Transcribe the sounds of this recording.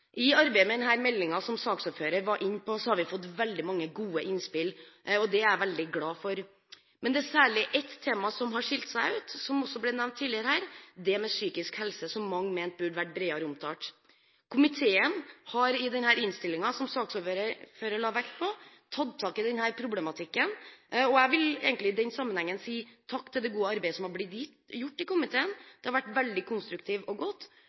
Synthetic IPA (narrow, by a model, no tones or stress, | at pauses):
ʔɪɑɾbæɪəmɛd̪ɛnhæːɾmɛlːɪŋɑsɔmsɑːksɔføːɾəɾʋɑʔɪnːpɔsɔhɑɾʋɪfɔt̪ːʋɛld̪ɪmɑŋːəɡuːəʔɪnspɪlɔd̪ɛæɾʋɛld̪ɪɡlɑːfɔɾ | mɛnd̪ɛæsæːɭɪʔɛt̪ʰːeːmɑsɔmɦɑʂɪlt̪sæɪʉːt̪sɔmɔsːɔblɛnɛʋmnt̪ʰːiːlɪəɾəhæːɾd̪ɛmɛsyːkɪskhɛlsəsɔmːɑŋːmeːnt̪̚bʉːɖəʋæʈ̚ːbɾeːɑɾəʊmt̪ʰɑːʈ | kʰʊmɪt̪ʰeːənhɑɾɪd̪ɛnhæːɾɪnst̪ɪlːɪŋɑsɔmsɑːksɔːfɾəføːɾəɭɑːʋækt̪pʰɔ | t̪ʰɑd̪t̪ʰːɑːkɪd̪ɛnhæːɾpʰɾʊblɛmɑt̪ʰɪkːənɔæɪʋɪlḛɡənɪd̪ɛnsɑmənhɛŋːənsiːt̪ʰɑkːt̪ʰɪld̪ɛɡuːəɑɾbæɪəsɔmhɑɾblɪt̪jɪt̪jʊʈːɪkʊmɪt̪ʰeːənd̪̥ɛhɑɾʋæʈːʋɛld̪ɪkʰʊnst̪ɾʉk̚t̪ʰɪːʋɔɡɔt̪ː